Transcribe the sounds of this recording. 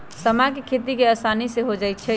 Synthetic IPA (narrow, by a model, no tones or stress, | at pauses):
səmakekʰet̪ikeəsaniseɦod͡ʒajt̪̚t͡ʃʰɛ